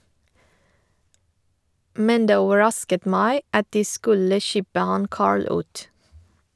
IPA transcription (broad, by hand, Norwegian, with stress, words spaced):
ˈmɛn ˈdeː ˈoːʋəˌɹɑskət ˈmæɪ ˈɑt ˈdiː ˈskʉlə ˈçɪbə ˈhɑn ˈkɑːɹɭ ˈʉːt